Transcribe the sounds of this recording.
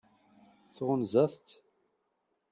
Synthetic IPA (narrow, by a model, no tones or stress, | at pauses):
θʁənzæθt̪